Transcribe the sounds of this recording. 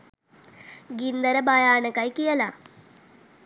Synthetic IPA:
ɡind̪ɐɾɐbajaːɳɐkɐjkijɐla

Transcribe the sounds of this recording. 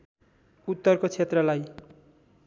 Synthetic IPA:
ut̪ːʌrkot͡sʰet̪rʌlaj

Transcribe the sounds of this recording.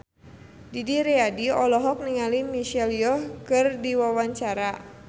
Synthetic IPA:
didiɾɛadiɔlɔɦɔk̚niŋalimiʃɛliɔhkɨrdiwawaɲt͡ʃaɾa

